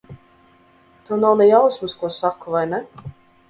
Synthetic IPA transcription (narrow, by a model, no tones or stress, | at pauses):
t̪uwnawnɛjawsmuskuɔsakːuvajnɛ